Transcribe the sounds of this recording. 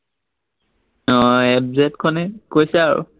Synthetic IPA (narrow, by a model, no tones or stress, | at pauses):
nɔɛbzɛtkʰɔnɛkojsɛaɹṵ